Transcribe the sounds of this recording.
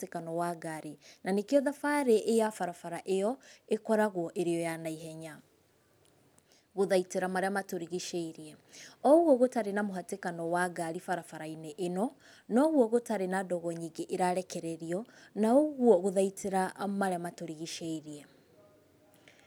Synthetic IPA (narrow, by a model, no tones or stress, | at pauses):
tekanɔwaɡaɾenanekiɔðafaɾeʔːjafaɾafaɾaʔejɔekɔɾaɣwɔʔeɾeɔjanaiɦɛɲa | ɣoðaiteɾamaɾeamatoɾiɣiʃɛiɾiɛɔɣwɔɣotaɾenamoɦatekanɔwaɡaɾifaɾafaɾaineʔenɔ | nɔɣwɔɣotaɾenadɔɣɔɲiŋɡeʔeɾaɾɛkɛɾɛɾiɔnaoɣwɔɣoðaitʰeɾamaɾeamatoɾiɣiʃɛiɾiɛ